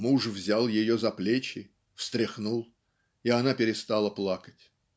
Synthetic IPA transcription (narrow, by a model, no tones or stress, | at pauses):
muʂvzʲalˠjɪjozɐplʲet͡ɕɪ | fst̪ɾʲɪxnulˠ | iɐnapʲɪɾʲɪst̪alˠəplˠakə̥tʲ